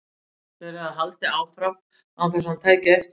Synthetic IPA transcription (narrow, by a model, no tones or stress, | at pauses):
θɛɾaðɦalt̪ɪaːwfɾam | awfɛɾsamt̪ʰaːjkɪɛft̪